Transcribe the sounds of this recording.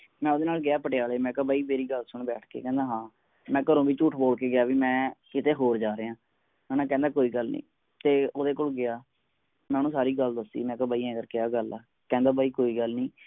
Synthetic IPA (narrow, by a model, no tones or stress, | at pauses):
mɛ̃ːoːd̪eːnaːlɡɪaːpəʈejaːleːmɛ̃ːkəbaːiːmeːɾiːɡəlsʊɳbɛːʈʰkḛːkɛ̃ːnd̪aːɦãː | mɛ̃ːkəɾõːbiːt͡ʃuːʈʰboːlkeːɡɪjaːʋiːmɛ̃ːkɪt̪eːɦoːɾd͡ʒaːɾeːãː | mɛ̃ːnãːkɛ̃ːnd̪aːkoːiːɡəlnḭ̃ː | t̪eːoːd̪eːkoːlɡɪaː | mɛ̃ːnũːsaːɾiːɡəld̪əsḭːmɛ̃ːkəbaːiːãːəɡəɾkɪaːɡəlaː | kɛ̃ːnd̪aːbaːiːkoːiːɡəlnĩː